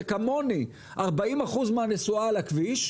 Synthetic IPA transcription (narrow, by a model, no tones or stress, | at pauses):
kamo̞ni | ʔaʁbaimaχuzmeanesualakviʃ